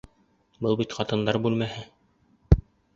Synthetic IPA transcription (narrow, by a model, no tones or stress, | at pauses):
bɤlˠbit̪χɑt̪ɤ̆nd̪ɑɾbʉlmæhɘ